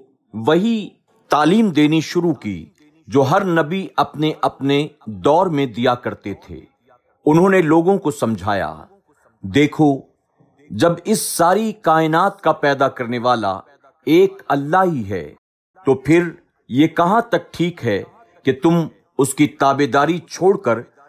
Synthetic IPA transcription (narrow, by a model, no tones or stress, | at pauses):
ʋɐɦi | t̪aːliːmd̪eːniʃʊɾukḭː | d͡ʒoːɦɐɾnɐbiɐpneʔɐpned̪ɔːɾmẽd̪ijakɐɾt̪et̪ʰḛː | ʊnɦõːneloːɡõkosɐ̃md͡ʒʱa̰ːja̰ː | d̪eːkʰo | d͡ʒɐbɪsːaːɾikaːɪnaːt̪̚kapɛːd̪akɐɾneʋaːla̰ | eːkɐlːaɦiɦɛ̰ː | t̪oːpʰɪɾ | jekɐɦãt̪ɐk̚ʈʰiːkɦɛ | ket̪ʊm | ʊskit̪aːbed̪aːɾit͡ʃʰoːɽkəɾ